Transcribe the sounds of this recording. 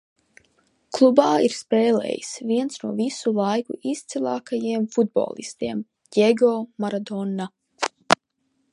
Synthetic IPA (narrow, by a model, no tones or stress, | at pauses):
klˠubaːiɾspɛːlɛ̰ːjḭsviɛntsnuɔvisulˠajkuʔist̪silˠaːkajiɛmfud̪̚bo̰ːlˠḭst̪iɛm | jʲeɡɔːmaɾad̪ɔnːa